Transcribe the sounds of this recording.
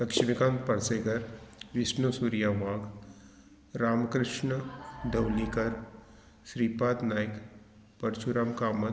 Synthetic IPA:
lɐkʃimikãːnpɐɾseːɡɐɾʋɪsnusuːɾijaːʋãːɡ | ɾaːmkɾɪʃɳəd̪ɐwlikɐɾ | ʃɾiːpaːt̪naːjɪk | pɐɾt͡ʃʰuɾaːmkaːmɐ

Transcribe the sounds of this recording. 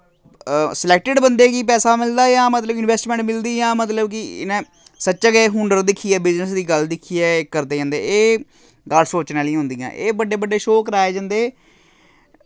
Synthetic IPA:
sɪlɛːk̚ʈɪɖbənd̪eːkiːpɛːsaːmɪld̪aːjãːmət̪ləbʊnɪʋɛːsʈmɛ̃ɳʈmɪld̪iːjãːmət̪ləbkɪnẽː | sətːʃaːɡeɦʊɳɖəɾd̪ɪkʰːiːɛːbɪznəsd̪iːɡəld̪ɪkʰːiːɛːkːəɾd̪eːd͡ʒãːnd̪eːeː | ɡaːlsoːt͡ʃnaːlĩɦʊ̃nd̪ijã̰ːʔeːbəɖeːbəɖːeːʃoːkɾaːeːd͡ʒãːnd̪eː

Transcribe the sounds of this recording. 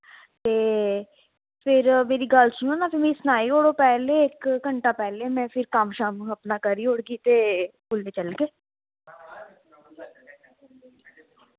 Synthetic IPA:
t̪eː | pʰɪɾmeːɾiːɡəlsʊnõːnaːpʰɪmẽːsnaːiːoːɽoːpɛːleːɪkːəɳʈaːpɛːleːmɛ̃ːpʰɪɾkəmʃaːməpnaːkəɾiːoɽɡiːt̪eːkʊlʋeːt͡ʃəlɡeː

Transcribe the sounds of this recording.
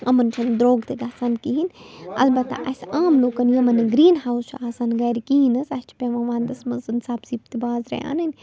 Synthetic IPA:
ɐmɐnt͡ʃʰɐnd̪ɾoːɡt̪eɡaːsaːnkiɦinɐ̰lbɐt̪ːa̰ʔɐsaːmloːkɐnjɐmɐniɡɾiːnɦaːwst͡ʃʰaːsaːnɡɐjɾkiɦinɐsɐst͡ʃʰpʲeʋɐ̃ʋaːnd̪ɐsmɐnsɨnsaːbzipt̪ibaːzɾḛa̰ːnɐnʲ

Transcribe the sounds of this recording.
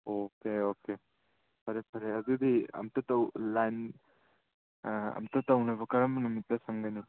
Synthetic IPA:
okeoke | pʰɐɾepʰɐɾeɐdudiɐ̰mtɐtɐwlajn | ɐ̰mtɐtɐwnɐβɐkɐɾɐmɐnumitːɐsɐŋɡani

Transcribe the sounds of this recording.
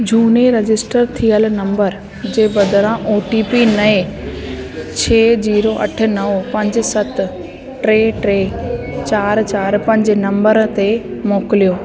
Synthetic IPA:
d͡ʑʱuːneɾɐd͡ʑɪsʈəɾt̪ʰiəlnɐ̃mbəɾ | d͡ʑeːbɐd̪əɾãʔoːʈipinɐe | t͡ɕʰeːd͡ʑiːɾoʔɐ̰ʈʰɪ̆nɐʋpɐ̃ɲd͡ʑsɐt̪ | ʈɾeːʈɾeːt͡ɕaːɾt͡ɕaːɾpɐ̃ɲd͡ʑnɐ̃mbəɾt̪emoːkɪlijoː

